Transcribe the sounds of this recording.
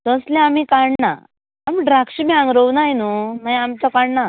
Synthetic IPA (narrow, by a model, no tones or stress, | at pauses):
t̪əslẽamikaɳna̰ | amiɖɾakɕimiãŋɡɾəwnajnumaamt͡sakaɳna